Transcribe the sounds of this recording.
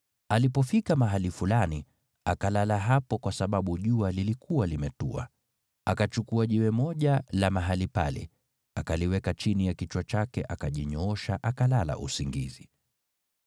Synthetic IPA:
alipɔfikamaɦalifulani | akalalaɦapɔkwasaɓaɓuʄualilikuwalimɛtua̰ | akat͡ʃukuaʄɛwɛmɔʄalamaɦalipa̰lɛ̰ | akaliwɛkat͡ʃinijakit͡ʃwat͡ʃakɛʔakaʄiɲɔɔʃaʔakalala̰ʔusiŋɡizi

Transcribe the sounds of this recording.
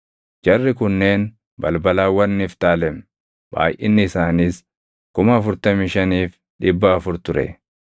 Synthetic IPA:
d͡ʒɐrːɪkʊnːe̞ːn | bɐlbɐlaːwɐnːiːft̪aːlɛm | b̥a̰ːjʔɪ̰nːɪːsaːniːs | kʊmɐːfʊɾt̪ɐmiːʃɐniːf | ᶑɪbːɐːfʊɾt̪ʊɾɛ̰

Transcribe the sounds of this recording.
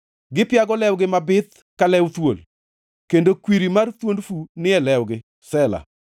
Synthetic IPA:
ɡɪpjaɡɔlɛwɡɪmabɪt̪̚ | kalɛwt̪wol | kendokwiɾimart̪wondfunɪɛlɛwɡɪ | sɛla̰

